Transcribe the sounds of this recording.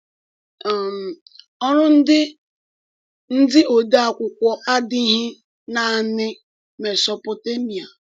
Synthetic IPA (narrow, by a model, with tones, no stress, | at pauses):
m̩˨ | ɔ˦ɾʊ˦n̩˦dɪ˦ | n̩˦dɪ˦ʔo˨da˦a˨kʷʊ˨kʷɔ˦a˦di˦ɦɪ˦ | na˨nɪ˦ | me˨sɔ˨pɔ˨te˦mi˨a˨